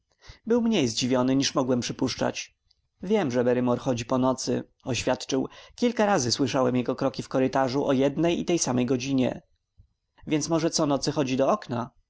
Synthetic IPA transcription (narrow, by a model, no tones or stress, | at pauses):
bɘwmɲejzd͡ʑivʲjɔnɘɲiʂmɔɡwɛmpʂɘpuʂt͡ʂa̰t͡ɕ | vʲjɛmʐɛbɛɾɘmɔɾxɔd͡ʑipɔnɔt̪sɘ̰ | ɔɕfʲjat̪t͡ʂɘwkʲilkaɾazɘswɘʂawɛmjɛɡɔkɾɔkʲifkɔɾɘt̪aʐuʔɔjɛd̪nɛjḭt̪ɛjsamɛjɡɔd͡ʑiɲɛ̰ | vʲjɛnt̪smɔʐɛt̪sɔnɔt̪sɘxɔd͡ʑid̪ɔɔkna